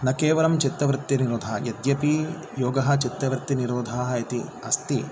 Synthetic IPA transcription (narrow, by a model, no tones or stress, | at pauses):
nɐkeːʋɐɾɐmt͡ʃit̪ɾɐʋɾɪt̪ːiniɾoːd̪ʱajɐd̪jɐpi | joːɡɐɦɐ̆t͡ʃit̪ɾɐʋɾɨt̪ːiniɾoːd̪ʱaːɦɐɐt̪iɐst̪i